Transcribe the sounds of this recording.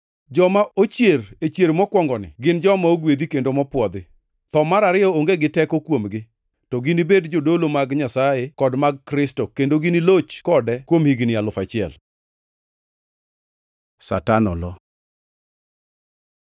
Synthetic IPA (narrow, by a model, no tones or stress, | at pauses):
d͡ʒɔmaot͡ʃjeɾet͡ʃjeɾmɔkwɔŋɡɔnɪ̰ɡɪnd͡ʒɔmaoɡwed̪ikendomɔpwɔd̪ɪ | t̪ɔmaɾaɾɪɔoŋɡeɡɪtɛkɔkwomɡɪ | tɔɡɪnibedd͡ʒodolomaɡɲasajekɔdmaɡ̚kɾɪstokendoɡɪnilot͡ʃkɔdɛkwomhiɡnɪalʊfat͡ʃɪɛ̰l | sa̰tanɔ̰lɔ